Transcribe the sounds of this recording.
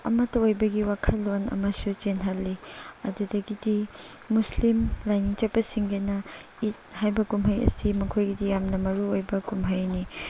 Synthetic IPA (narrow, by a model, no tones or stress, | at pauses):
ɐ̰mɐtɐojbɐɡiwakʰɐlːonɐ̰mɐsut͡ʃenɦɐlːiɐ̰dudɐɡidi | muslimlajniŋt͡ʃɐpɐsiŋɡɐnɐ | it̚hajbɐkumɦɐjɐ̰simɐkʰojɡidijamnɐmɐɾuojbɐkumɦɐjni